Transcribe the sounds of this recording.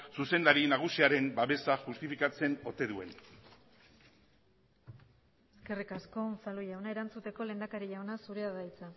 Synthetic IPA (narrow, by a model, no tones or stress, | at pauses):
suse̞nd̪aɾinaɣ̞usiaɾe̞mbaβe̞saʝust̪ifikat͡se̞no̞t̪e̞ðuen | e̞ske̞rikasko̞saloʎawnae̞ɾant͡sut̪e̞ko̞le̞nd̪akaɾiʎawnasuɾe̞aðajt͡sa